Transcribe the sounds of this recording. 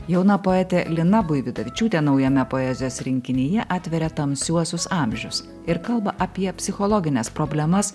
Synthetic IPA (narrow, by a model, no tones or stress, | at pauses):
jɛʊnɐpoːɛt̪ʲɛlʲɪnɐbʊɪʋʲɪd̪ɐʋʲɪt͡ʃʲuːt̪ʲenɒʊjɛmʲɛpoɛzʲɪjoːsɾʲɪŋʲkʲɪnʲijɛʔɑːt̪ʲʋʲɛɾʲɛt̪ɐmsʲuɔsʲʊsɑːˑmʲʒʲʊs | ɪɾkɐlˠbɐʔɐpʲiɛpʲsʲɪxɔlˠɔɡʲɪnʲɛspɾɔbʲlʲɛmɐs